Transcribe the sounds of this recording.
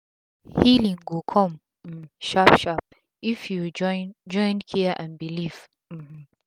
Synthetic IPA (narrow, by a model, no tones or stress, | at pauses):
hilĩŋɡokʰɔ̃m̩ | ʃapʃap̚ | ifjud͡ʒɔjnd͡ʒɔ̃jnkʰiʔãnbiliv̥ | m̩m̩